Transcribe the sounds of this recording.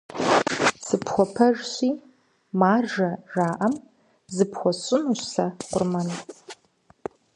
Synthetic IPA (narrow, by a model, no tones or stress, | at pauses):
sɨpxʷɔpʰɐʒɕiː | maːrʒɐʒaːʔɐm | zɨpxʷɔɕʼɪnuɕsɐqʷʊrmɐn